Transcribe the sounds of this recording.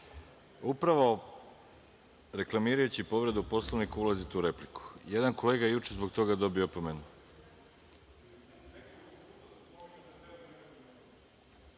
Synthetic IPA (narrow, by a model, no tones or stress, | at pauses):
upɾaʋo̞ | ɾe̞klˠamiːɾajut͡ɕipo̞ʋɾe̞d̪uupo̞slˠoʋnikulˠazit̪uɾe̞pliku̥jed̪anko̞le̞ːɡajejut͡ʃezbo̞k̚t̪o̞ɡad̪o̞biopomenu